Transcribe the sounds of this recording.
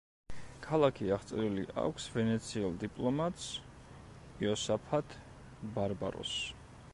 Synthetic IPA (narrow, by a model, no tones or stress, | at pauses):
kʰalˠakʰiaʁt̪sʼɛɾilḭʔa̰kʷʰsvɛnɛt̪sʰiɛlˠd̪ipʼlˠɔmat̪ʼs | iɔsapʰat̪ʰ | baɾba̰ɾɔ̰s